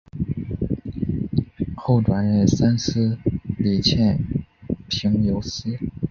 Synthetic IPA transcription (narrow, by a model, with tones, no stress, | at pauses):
xo˥˩ʊʈ͡ʂwa˨˩nɻə˥˩sa˥nsʰɹ̩˥li˨˩t͡ɕʰjɛ˥˩n | pʰi˧˥ŋjo˧˥ʊsi˥